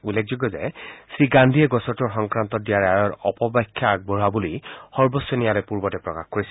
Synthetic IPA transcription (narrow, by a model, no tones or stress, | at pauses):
ulːek̚ʰzuɡːɔzɛ̰sɹiɡandʱiɛɡɔsɔtɔɹxɔŋkɹant̪ɔt̚dijaɹɛaɹɔɹɔpɔbajkʰːjak̚bɔɹabulijxɔɹbɔsjɔnijalɛjpuɹbɔtɛpɹɔ̰kaxkoɹisɛ